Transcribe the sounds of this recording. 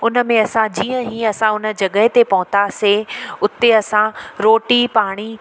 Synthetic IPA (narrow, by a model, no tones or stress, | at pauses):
ʊnə̆mẽɐsãd͡ʑiːə̃ɦĩːɐsãʊnə̆d͡ʑɐɠəɦɪt̪epɐɦʊ̃t̪aseʊt̪eɐsãɾoːʈipaːɽ̃i